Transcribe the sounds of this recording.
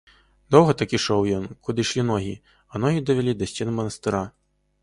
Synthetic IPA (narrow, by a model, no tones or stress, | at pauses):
d̪ɔwɣɐt̪akiʂɔwjɔnkud̪ɨʂlʲinɔɣʲḭ | ɐnɔɣʲid̪ɐvʲɛlʲid̪ɐsʲtʲɛnmɐnɐst̪ɨɾa